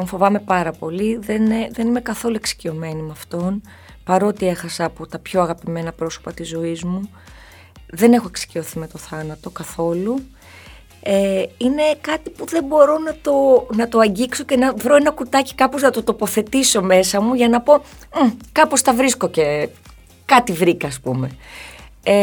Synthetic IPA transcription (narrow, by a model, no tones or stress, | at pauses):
t̪oɱfo̞vɐme̞pɐɾɐpo̞liðeneðenime̞kɐθo̞lue̞ksi̥cio̞me̞nimɐft̪o̞n | pɐɾo̞t̪ie̞xɐsɐpot̪ɐpço̞ɐɣɐpime̞nɐpɾo̞so̞̥pɐt̪izo̞izmu | ðe̞ne̞xoeksi̥cio̞θime̞t̪o̞θɐnɐt̪o̞kɐθo̞lu | eine̞kɐt̪ipuðembo̞ɾo̞nɐt̪o̞nɐt̪oɐɲɟikso̞ce̞nɐvɾo̞enɐkut̪ɐci̥kɐpo̞znɐt̪o̞t̪o̞po̞θe̞t̪iso̞me̞sɐmuʝɐnɐpo̞ | kɐpo̞st̪ɐvɾisko̞ce̞ | kɐt̪ivɾikɐːspume̞ | e